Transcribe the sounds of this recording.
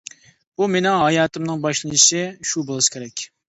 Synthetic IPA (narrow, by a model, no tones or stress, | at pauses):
bumenɪŋɦɑjɑːt̪ɨmnɨŋbɑʃlˠɨnɨʃɪʃubolˠɨʃkʲʰeɾɛkʲ